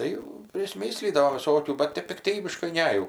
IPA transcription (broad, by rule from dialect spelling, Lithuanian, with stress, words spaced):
ˈtɐɪ pʲrʲɪsʲˈmʲɪ sʲlʲiːdɐʋoːm ʋʲɪˈsoːkʲuː bɐt ˈtʲɛp pʲɪkˈtʲiːbʲɪʃkɐɪ ˈnʲɛ jɛʊ